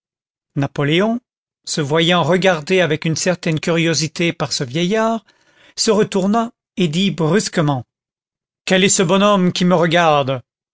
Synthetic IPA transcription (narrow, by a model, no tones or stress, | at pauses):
napɔleɔ̃ | səvwajɑ̃ʁəɡaʁd̪eavɛkynsɛʁt̪ɛnkʲyʁjozit̪epaʁsəvjɛjaːʁ | səʁət̪uʁna | ed̪ibʁyskəmɑ̃ | kɛlɛsəbɔnɔmkʲiməʁəɡaʁd̪